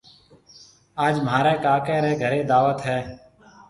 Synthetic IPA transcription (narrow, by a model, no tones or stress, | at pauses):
aːd͡ʒmɦaːɾɛːkaːkɛːɾɛːɡʱəɾeːd̪aːʋət̪ɦɛː